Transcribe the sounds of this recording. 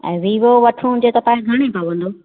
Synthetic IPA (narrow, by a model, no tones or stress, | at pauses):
ɛ̰̃ːʋiːʋoʋɐʈʰũd͡ʑet̪ɐpãːɡʱɐɽ̃epaʋə̃nd̪oː